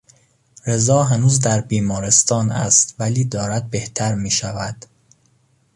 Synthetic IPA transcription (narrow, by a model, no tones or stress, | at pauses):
ɾe̞zɒːɦænuːzd̪æɾbiːmɒːɾe̞st̪ɒːnæ̰st̪væliːd̪ɒːɾæd̪̚be̞ht̪ʰæɾmiːʃævæd̪̥